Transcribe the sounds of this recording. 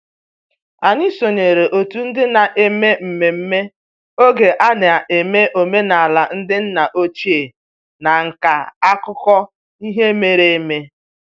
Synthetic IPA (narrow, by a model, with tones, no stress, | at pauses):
a˨ɲi˦so˨ɲe˨ɾe˨ʔo˨tu˨n̩˦dɪ˦na˨ʔe˨me˦m̩˨me˨m̩˦me˦ | o˦ɡe˨ʔa˦ne˨a˨ʔe˨me˦ʔo˨me˦na˨a˨la˨n̩˦dɪ˦n̩˦na˨ʔo˦t͡ʃi˦e˨ | na˨ŋ̩˨ka˨a˦kʊ˦kɔ˦ | i˦ɦe˦me˦ɾe˨˦me˦